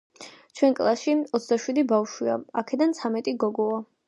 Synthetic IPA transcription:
t͡ʃʰwɛnkʼlˠasʃiɔt̪sd̪aʃwid̪ibafʃwiaakʰɛd̪ant̪sʰamɛt̪ʼiɡɔɡɔa

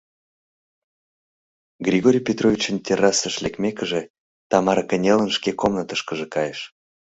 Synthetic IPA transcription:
ɡrʲiɣoɾʲijpʲet̪rovʲit͡ɕənt̪ʲeɾɑsəʃlʲekmʲekəʒe | t̪ɑmɑɾəkənʲelənʃkekomnət̪əʃkəʒekɑjeʃ

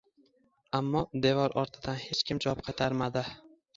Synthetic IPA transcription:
amːɒd̪e̞vɒɾʔɒɾt̪ʰɪd̪anhe̞t͡ʃkʲɪmd͡ʒɒɒp̚qʰɑt̪ʰaɾmad̪ɪ

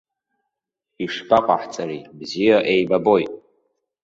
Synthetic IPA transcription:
iʂbʰaqʼaħt͡sʼaɾibzijaʔejbabo̞jtʼ

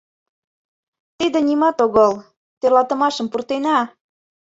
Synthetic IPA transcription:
t̪id̪ĕnimɑt̪oɣɤl | t̪erlɑt̪ə̆mɑʃə̆mpurt̪enɑ

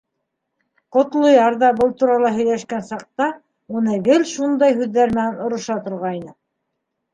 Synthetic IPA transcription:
qŏt̪lˠojɑɾðɑbɤlˠt̪uɾɑlˠɑɦɵ̆jlæʃkænsɑq̚t̪ɑ | unɤɡɘlʃund̪ɑjhʉðːæɾmɘ̆nænŏɾɤ̆ʃɑt̪ŏɾʁɑjnɤ

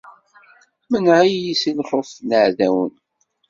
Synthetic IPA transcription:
mənʕajjisilχofnəʕðæwən

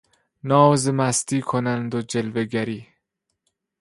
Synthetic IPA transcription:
nɒːzemæst̪ʰiːkʰonænd̪od͡ʒelveɡæɾiː

